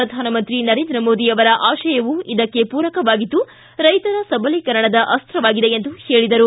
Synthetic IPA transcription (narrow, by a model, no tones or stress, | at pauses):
ɾɐd̪ʱaːnɐmɐnt̪ɾinɐɾe̞ːnd̪ɾɐmo̞ːd̪iɐʋɐɾɐʔaːʃɐjɐʋuid̪ɐkːe̞puːɾɐkɐʋaːɡid̪ːu | ɾɐjt̪ɐɾɐsɐbɐlikɐɾɐɳɐd̪ɐʔɐst̪ɾɐʋaːɡid̪e̞end̪uhe̞ːɭid̪ɐɾu